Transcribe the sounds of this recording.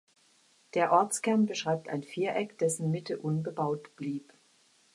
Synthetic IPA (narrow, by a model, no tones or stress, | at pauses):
d̥eːɐʔɔɐt͡skɛɐnbəʃʁ̥aɪp̚tʰaɪnfiːɐʔɛkd̥ɛsn̩mɪtʰəʔʊnbəbaʊtb̥liːp